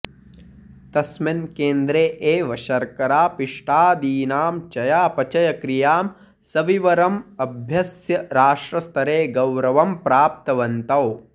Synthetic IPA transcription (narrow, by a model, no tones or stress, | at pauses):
t̪ɐsmɐnkeːnd̪ɾeːʔeːʋɐʃɐɾkɐɾaːpiʂʈaːd̪iːnaːmt͡ʃɐjaːpɐt͡ʃɐjɐkɾijaːm | sɐʋiʋɐɾɐmɐbʱjɐsjɐɾaːʂʈɾɐst̪ʰɐɾeːɡɐwɾɐʋɐmpɾaːp̚t̪ɐʋɐnt̪ɐw